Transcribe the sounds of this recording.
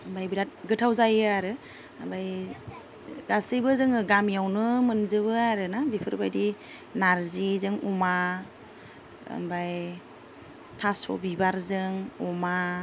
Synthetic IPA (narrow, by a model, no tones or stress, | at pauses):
mbajbiɾat̚ɡɯtʰawzajaɾɯ | ambaj | ɡasɯjbɯzɯŋɯɡamjawnɯmɯnzɯβɯaɾɯnabipʰɯɾbajdi | naɾzizɯŋuma | mbaj | tʰasɔ̰bibaɾzɯŋɔma